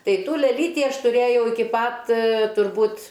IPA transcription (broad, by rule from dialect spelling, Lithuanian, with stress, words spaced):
ˈtɐɪ ˈtuː lʲɛˈlʲiːtʲɪ ˈɐʃ tʊˈrʲeːjɛʊ ɪˈkʲɪ ˈpɐt tʊrˈbuːt